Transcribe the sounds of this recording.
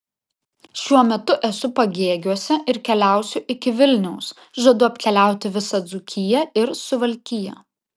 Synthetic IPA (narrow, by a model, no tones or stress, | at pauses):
ʃʲuɔmʲɛt̪ʊʔɛsʊpɐɡʲeːɡʲuɔsʲɛʔɪɾkʲɛlʲæˑʊsʲʊʔɪkʲɪʋʲɪlʲnʲɛʊs | ʒɐd̪ʊɐpʲkʲɛlʲæˑʊt̪ʲɪʋʲɪsɐd̪zʊkʲʰɪjɛɪɾsʊʋɐlʲkʲɪjɛ̰